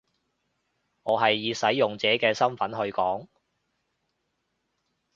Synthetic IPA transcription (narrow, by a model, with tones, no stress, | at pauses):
ŋɔː˨˧ɦɐ˨jːiː˨˧sɐ˨˥jːʊ˨˩ŋt͡sɛː˨˥kɛː˧sɐ˥mfɐ˨˥nɦɵ˧ɥkɔː˨˥ŋ